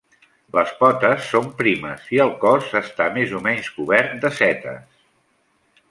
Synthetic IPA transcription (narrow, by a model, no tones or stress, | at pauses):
ləspɔt̪əsːompɾimə̰siəlˠkɔzəst̪amezumɛɲskuβɛɾt̪̚d̪əsɛt̪ə̰s